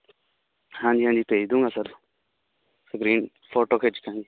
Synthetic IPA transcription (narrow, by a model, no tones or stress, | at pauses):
hãːɲd͡ʒiːɦãːnd͡ʒiːpeːd͡ʒd̪ũːŋɡaːsəɾ | səɡɾiːn | pʰoːʈoːkʰeːd͡ʒkãːnd͡ʒiː